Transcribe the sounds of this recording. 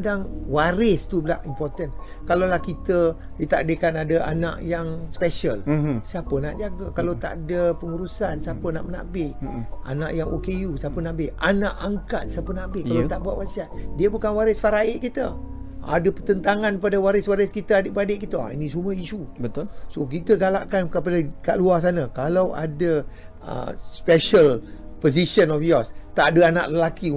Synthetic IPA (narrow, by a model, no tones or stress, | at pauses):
daŋwaɾɪst̪ubəlaʔimpɔrt̪ən | kalolahkit̪ə | dit̪aʔdəkanadəʔa̰na̰ʔjaŋspɛʃəlsiapəna̰ʔd͡ʒaɡəkalot̪a̰ʔdəpəŋuɾusansapəna̰ʔməna̰ʔbɪʔʔa̰na̰ʔjaŋʔokejusapənaʔbɪhanaʔaŋkat̪̚sapənaʔbɪʔkkalot̪aʔbuaʔwasiat̪̚diəbukanwaɾəsfaɾaɪʔkit̪ə | a̰dəpərt̪ənt̪aŋãnkəpadəwaɾɪswaɾəskit̪əadəʔbəɾadeʔkit̪ə̰ḭnĩsuməiʃubət̪sokit̪əɡala̰ʔkankəpadaka̰ʔluas̬anəkalawa̰də | ə̰spɛʃəl | poziʃənɔfjɔst̪aʔadəana̰ʔləlaki